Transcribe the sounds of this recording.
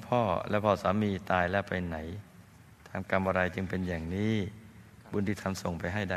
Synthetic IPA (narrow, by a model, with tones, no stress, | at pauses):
pʰɔː˧˥˩lɛ̰˦˥˩pʰɔː˧˥˩saː˩˦miː˧t̪aː˧jlɛ˦˥˩pa˧jna˩˦j | t̪ʰaː˧mka˧mʔa˧ɾa˧jt͡ɕɯ˧ŋpe˧njaː˨˩ŋniː˦˥ | bu˧nt̪iː˧˩t̪ʰa˧mso˨˩ŋpa˧jɦa˥˩jda˥˩